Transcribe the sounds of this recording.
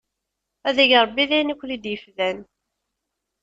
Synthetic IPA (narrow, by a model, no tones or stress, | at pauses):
æðæʝɾˤəbːiðæjnikʷːlid̪jəfðæn